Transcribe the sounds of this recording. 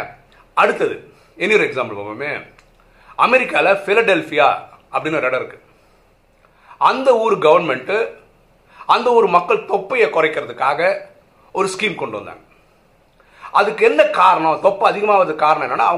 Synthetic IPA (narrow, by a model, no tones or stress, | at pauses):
ɐɽɯt̪ːɐðɯ̰ | ɛnːɪjɔɾɯɛksaːmbɐɭpɐ̰pɐmeː | ɐmɛɾɪkːaːlɐfɪlɐɖɛlfɪja̰ː | ɐpːɐɽɪnːɔɾɛɽɐɪɾɯkːɯ̥ | ʔɐnd̪ɐuːɾɯɡɐʋɐɾnmɛɳʈɯ | ɐnd̪ɐɔɾɯmɐkːɐɭt̪ɔpːɐjekɔrɐɪkːɪɾɐðɯkːaːɣɐ | ɔɾɯskiːmkɔɳɖɯʋɐnd̪a̰ːŋɡɐ | ɐðɯkːɯɛnːɐkaːɾɐɳɐ̃t̪ɔpːɐɐðɪɣɐmaːʋɐðɯkaːɾɐnɐ̃ɛnːɐna̰ːɐɐ